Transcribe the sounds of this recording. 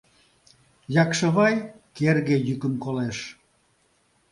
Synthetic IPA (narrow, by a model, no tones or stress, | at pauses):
jɑkʃə̆βɑj | kerɣejykəmkoleʃ